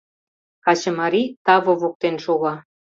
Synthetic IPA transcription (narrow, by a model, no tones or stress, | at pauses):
kɑt͡ɕə̆mɑɾit̪ɑβovok̚t̪enʃoɣɑ